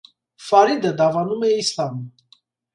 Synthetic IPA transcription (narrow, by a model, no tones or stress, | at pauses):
faɾid̪əd̪avanumɛislam